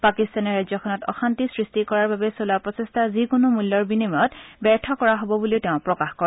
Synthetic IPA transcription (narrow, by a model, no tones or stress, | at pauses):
pakistanɛɹajzɔkʰɔnɔtɔ̰xantisɹistikɔɹaɹbabɛsolapɹɔsestʰazikʊnʊmulːɔɹbinimɔtbɛɹtʰɔkɔɹaɦobɔbuliʊteʊ̃pɹɔkaxkɔɹ